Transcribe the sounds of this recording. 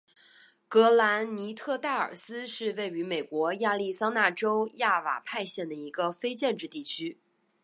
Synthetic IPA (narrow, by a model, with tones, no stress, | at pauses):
kɤ˧˥la˧˥nni˧˥t̪ʰɤ˥˧t̪a˥˩ə̰˞˨˩sɹ̩˥ʂɻ̩˥˧we˥˩ɪy˧˥me˨˩ɪkwɔ˧˥ja˥˧li˥˩sɑ˥ŋna˥˩ʈ͡ʂo˥ʊja˥˩wa̰˨˩pʰa˥˧ɪɕjɛ˥˩nd̪ə˩i˧˥ɡə˧fe˥ɪt͡ɕjɛ˥˧nʈ͡ʂɻ̩˥˧t̪i˥˩t͡ɕʰy˥